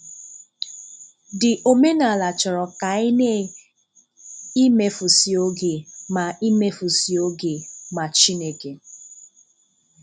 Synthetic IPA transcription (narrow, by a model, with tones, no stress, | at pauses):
dɪ˨ʔo˨me˦na˨la˨t͡ʃɔ˨ɾɔ˨ka˨ɪ˦ne˦ | i˦me˨fʊ˨si˨o˦ɡe˨ma˨i˦me˦fʊ˨si˨o˦ɡe˨ma˨t͡ʃi˦ne˨ke˨